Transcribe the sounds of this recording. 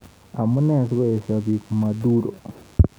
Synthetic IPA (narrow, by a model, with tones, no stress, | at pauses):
a˨mu˦ne˦˨si˦we˦e˨sa˨βiku˨ma˨duɾo̰˨